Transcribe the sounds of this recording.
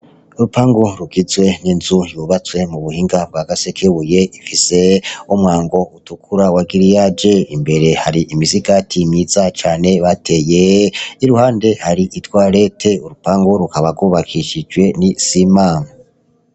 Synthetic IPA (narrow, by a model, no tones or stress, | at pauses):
uɾupaŋɡoɾuɡizwe̞ninzujuβat͡swe̞muβuhiːŋɡab̚ɡaɡasekʰeβuje̞ifise̞omwaːŋɡo̞utukʰuɾawaɡiɾijad͡ʒe̞imbe̞ɾe̞haɾiʔimiziɡatʰimjizat͡ʃaːne̞βatʰe̞jeiɾuhaːnde̞haɾiʔitwaːɾe̞tʰe̞uɾupaŋɡoɾukaβaɡwuβakʰiʃid͡ʒwe̞nisiman